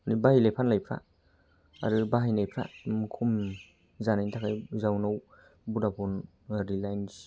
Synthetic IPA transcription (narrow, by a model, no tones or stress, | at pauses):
nibahijlajpʰanlajpʰɾa̰ | a̰ɾɯbaɦijnajpʰɾa̰mkʰum | zanajntʰakʰajzawnaw | budapʰɔn | ɾilajns